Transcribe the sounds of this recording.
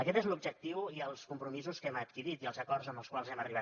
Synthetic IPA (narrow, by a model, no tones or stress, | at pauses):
əkɛt̪ezlub̚ʒək̚t̪iwiəlˠskumpɾumizuskɛmət̪kiɾit̪iəlˠzəkɔrzəmbəlˠskwalˠzɛməriβ̞a